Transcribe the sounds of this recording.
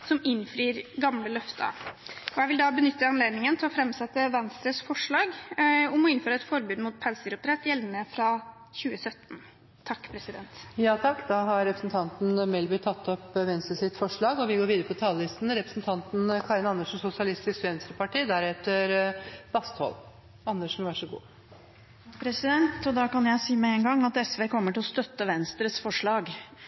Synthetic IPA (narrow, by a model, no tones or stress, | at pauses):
sɔmɪnːfɾiːɾɡɑmləlœft̪ʰə̰ɔjæɪʋɪld̪ɑbənʏt̪ːəɑnleːd̪nɪŋənt̪ʰɪlɔfɾɛmsɛt̪ːəʋɛnst̪ɾəsfɔʂɭɑːɡɔmɔɪnføːɾəɛt̪fɔɾbʉːd̪muːt̪̚pʰælsəɡɾʊpt̪ʰɾɛt̪ːjɛlʋnəfɾɑ | çʉːəsœt̪ːn̩ʰː | ɑkːpʰɾɛsɪd̪ɛnt̪jɑːt̪ʰɑkːd̪ɑɦɑɾɾɛpɾəsn̩t̪ʰɑnt̪n̩mɛlbʏt̪ʰɑt̪ʰːɔpʋɛnst̪ɾəsɪt̪fɔʂɭɑːɡɔʋɪɡoːɾʋiːd̪əɾəpɔt̪ʰɑːləlɪst̪n̩ɾɛpɾə̥sn̩t̪ʰɑnt̪nkʰɑːɾɪnɑnəʂn̩sʊsɪɑlɪst̪ɪskʋɛnst̪ɾəpɑʈiːd̪æɾɛt̪əɾb̥ɑst̪hɔ̰l | ɑnːəʂn̩ʋæʂɔɡṵː | pʰɾɛsɪd̪ɛnt̪ɔd̪ɑːkɑnjæɪsiːmɛɛŋɡɑŋːɑt̪ɛsʋeːkʰɔmːəʈɪlɔst̪œt̪ːəʋɛnst̪ɾəsfɔʂɭɑːɡ